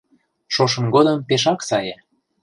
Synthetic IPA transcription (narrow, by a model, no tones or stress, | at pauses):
ʃoʃ̬ɤ̆mɡod̪ɤ̆mpeʃ̬ɑksɑje